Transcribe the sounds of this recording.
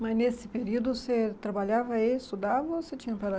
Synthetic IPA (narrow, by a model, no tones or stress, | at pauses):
mɐnesɪpeɾiwd̪ʊset̪ɾɐbaʎavɐist̪ud̪avɐoset͡ʃĩɲɐpɐɾɐ